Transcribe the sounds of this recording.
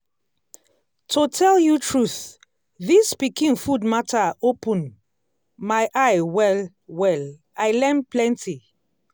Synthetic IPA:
tʰotʰɛljutʰɹuθ | ðispikĩŋfudmatʰaopũn | majʔajwɛl | wɛl | ajlɛ̃nplɛ̃ntʰi

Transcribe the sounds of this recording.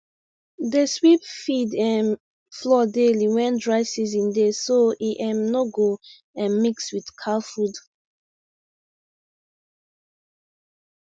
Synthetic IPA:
deswipfidɛ̃n | flɔdeliwɛ̃ndɹaɪsizĩndesoiʔɛ̃mnoɡo | ɛ̃nmikswidkʰalfud

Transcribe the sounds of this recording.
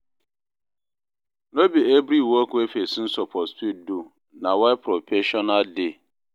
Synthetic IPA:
nobiebɾiwɔkʊefesɪ̃n̩sɔpʰɔspit̚du | nãwɔɛpʰɾopʰeʃɔnade

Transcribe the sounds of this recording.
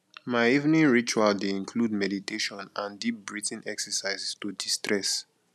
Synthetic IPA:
maɪivnĩnɹit͡ʃualdeĩnkʰludmɛditeʃɔ̃nãndip̚bɹitĩnʔɛksɛsaɪzstudistɹɛs

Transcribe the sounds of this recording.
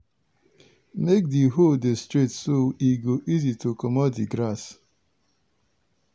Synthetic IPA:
mek̚diɦodestɹitsoiɡoʔizitokɔmɔtdiɡɾas

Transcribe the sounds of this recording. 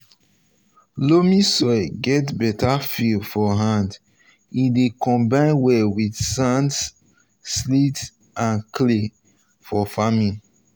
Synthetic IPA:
lomisɔɡɛtbɛtʰafifɔɦãnd | idekɔ̃mbãɪ̃nwɛwidsãnts | slit | ãnkle | fɔfamĩn

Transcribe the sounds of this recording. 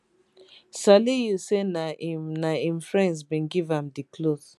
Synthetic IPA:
salijusenanaimfɹɛ̃ndsbĩnɡivãmdikloθ

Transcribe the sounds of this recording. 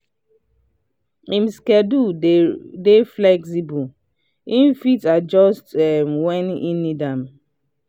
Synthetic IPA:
ĩmskɛdu | deflɛksibu | ĩnfitad͡ʒɔstɛmwɛninidãm

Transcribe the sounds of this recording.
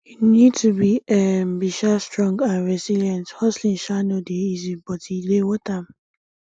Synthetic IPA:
hinidtubiem̩biʃastɾɔ̃ŋɡãnɹɛziljɛ̃nthɔslĩnʃanodeizibɔtilewotam̩

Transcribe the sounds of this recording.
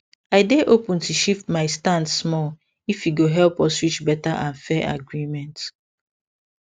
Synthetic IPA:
aɪdeʔopũntuʃiftmaɪstãndsmɔl | ifjiɡoɦɛlpɔswit͡ʃbɛtaʔãnfɛʔa̰ɡɹimɛ̃nt

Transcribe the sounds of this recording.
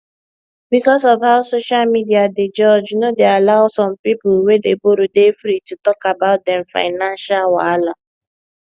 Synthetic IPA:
bikɔsɔvawsoʃalmidiaded͡ʒɔd͡ʒnodealaʊsɔ̃mpipʊlwedeboɾodefɾitutɔkabaʊt̚dɛmfa̰ɪnãnʃalwala

